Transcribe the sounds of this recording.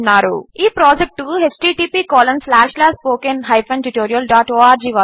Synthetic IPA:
nːaːɾṵiːpɾɔːd͡ʒek̚ʈuɦet͡ʃʈiːʈiːpiːkɔːlɐ̃nslaːʃlaspoːkenɦɐjpɐ̃nʈuʈoːɾijɐlɖaːʈoːaːɾd͡ʒiːʋa

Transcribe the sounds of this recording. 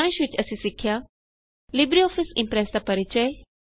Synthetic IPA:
ʋ̃ɪ̃ʃʋɪt͡ʃɐsĩsɪkʰːja | lɪbɾiɔːfʰɪsɪ̃mpɾɛːsd̪apɐɾɪt͡ʃəe

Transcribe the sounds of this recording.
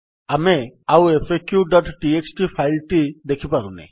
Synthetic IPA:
ameawepʰekjuɖɔʈːieksʈipʰajlʈid̪ekʰipaɾunḛ

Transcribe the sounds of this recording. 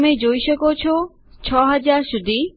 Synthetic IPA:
med͡ʑojʃɔkot͡ɕʰo | t͡ɕʰɔɦɐd͡ʑaɾʃud̪ʱi

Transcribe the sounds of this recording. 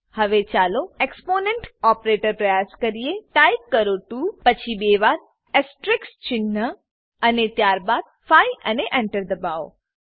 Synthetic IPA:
hɐʋet͡ʃaːloekspoːnẽɳʈɔːpɾeːʈəɾpɾɐjaːskɐɾijeʈaːjkːəɾoʈupɐt͡ʃʰibeːʋaːd̪̚ | ɛsʈɾɪkst͡ʃɪnːə | ɐnet̪jaːɾbaːd̪̚ | fʰaːiɐneʔɛ̃ɳʈəɾd̪ɐbaːo̰

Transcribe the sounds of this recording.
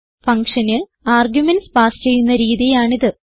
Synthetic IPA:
fɐŋkʂɐnɨ | aːrɡjumenspaːst͡ɕe̞jːunːɐɾiːðijaːɳiðɨ

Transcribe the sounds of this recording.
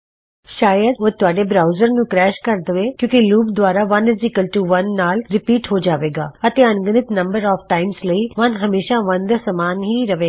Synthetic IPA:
ʃaːjəd̪ot̪ʊaːɖeːbɾaːʊzəɾnũːkɾɛːʃkəɾd̪əʋeːkjõːkiluːpd̪waːɾaːʋɐnɪzɪkəlʈuːʋənːaːlɾɪpiːʈɦoːd͡ʒaːʋeːɡa̰ːət̪eːənɡənɪt̪nə̃mbəɾɔːfʰʈaːɪmsləiːʋənɦəmeːʃaʋə̃nd̪səmaːnɦiːɾəʋeː

